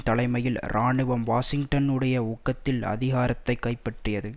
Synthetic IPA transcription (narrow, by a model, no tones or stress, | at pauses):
t̪ɐlɐɪmɐjɪlɾʔaːɳɯʋɐmʋaːsɪŋʈɐnɯɽɐjɐɔkːɐt̪ːɪlɐ̰ðɪɣaːɾɐt̪ːɐɪkːɐɪpːɐʈrɯjɐðɯ